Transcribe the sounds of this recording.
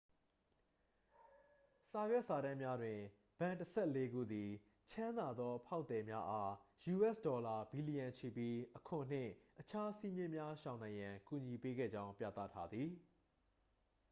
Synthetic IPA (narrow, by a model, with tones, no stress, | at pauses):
sa˨jwɛ˦˨ʔsa˨ɾã˦mja˦dwɪ̃˨ | b̥ã˨ntəsʰɛ˦˨le˦ɡṵ˦˨d̪i˨ | t͡ɕʰã˦nd̪a˨d̪ɔ˦pʰa˦ʊʔt̪ɛ˨mja˦ʔa˦ju˨ʔɛ˦˨sdɔ˨la˨bi˨li˨jã˨ɲt͡ɕʰi˨pji˦ʔəkʰʊ̃˨n̥ɪ̰̃˦˨ʔət͡ɕʰa˦si˦mjɪ̃˦˨mja˦ʃã˨ʊ̃nã˨ɪ̃jã˨ku˨ɲi˨pe˦ɡɛ̰˦˨d͡ʑã˦ʊ̃mpjä̰˦˨t̪ä̰˦˨tʰa˦d̪ði˨